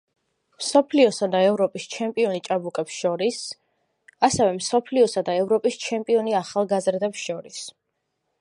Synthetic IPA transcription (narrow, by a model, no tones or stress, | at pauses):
msɔpʰliɔsad̪aɛvɾɔpʼist͡ʃʰɛmpʼiɔnit͡ʃʼabukʼɛpsʃɔɾis | asɛvɛmsɔpʰliɔsad̪aɛvɾɔpʼist͡ʃʰɛmpʼiɔniaχalˠɡazɾd̪ɛpsʃɔɾis